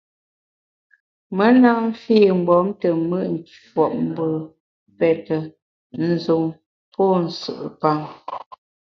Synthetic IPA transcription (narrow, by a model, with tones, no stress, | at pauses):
mə˦na˦m̩˦fiː˦˨ŋ͡m̩˨ɡ͡bɔ˨˦mtə˨mə˦ʔn̩˨t͡ʃ | ɔ˨ʔm̩˦bə˨ | pɛ˨tə˨ | n̩˨zu˨ŋ | pɔ˦˨n̩˨sə̰˨ʔpa˦ŋ